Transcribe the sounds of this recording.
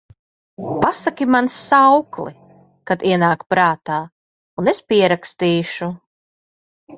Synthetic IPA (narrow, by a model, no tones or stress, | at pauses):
pasakʲimansːawklˠḭ | kad̪iɛnaːkpɾaːt̪aː | unespiɛɾakst̪iːʃu